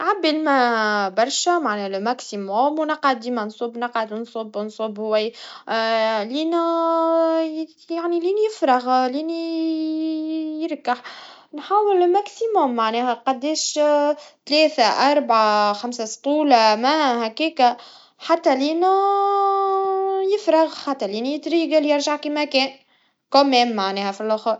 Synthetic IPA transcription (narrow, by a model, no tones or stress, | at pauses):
ʕabːɪlmæbɑɾˤʃæmaʕnɛlmæksimomwnɑqʕad̪̚ːiːmænsˤʊbːnɑqʕad̪nsˤʊbːnsˤʊbːhwæj | liːnu | jaʕniliːnjɪfɾɑɣliːni | jɪɾˤkaħnħaːwɪlmæksimʊmːaʕnɛːhæqɑd̪ːeːʃ | t̪lɛːθaʔɑɾˤbʕaxamsast̪ˤuːlamæhækiːka | ħat̪ːæliːnæ | jɪfɾɑɣħat̪ːæliːnijɪt̪ɾiːɡalijɪɾʒaʕkimækɛːn | komɛːmːaʕnɛːhæfilʔʊxɾ